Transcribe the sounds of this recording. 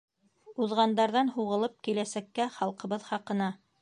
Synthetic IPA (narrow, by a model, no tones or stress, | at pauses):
uðʁɑnd̪ɑɾðɑnhuʁɤ̆lˠɤp̚kilæsækːæχɑlˠqɤ̆βɤðχɑqɤ̆nɑ